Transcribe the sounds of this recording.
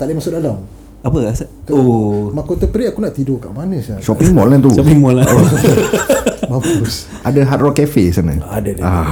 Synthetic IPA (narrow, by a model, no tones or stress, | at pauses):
t̪alemasudalam | apəaskomakot̪əpəɾiakunaʔt̪idokaʔmanəsasɔpiŋmɔlant̪usɔpiŋmɔlao | mabus | adaɦat̪̚rɔkɛfesana̰adada